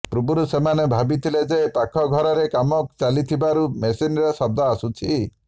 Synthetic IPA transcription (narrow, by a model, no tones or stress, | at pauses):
pɾubuɾusemanebʱabit̪ʰiled͡ʒepakʰɔɡʱɔɾɔɾekamɔkt͡ʃalit̪ʰibaɾumesinɾesɔb̚d̪ɔasut͡ʃʰi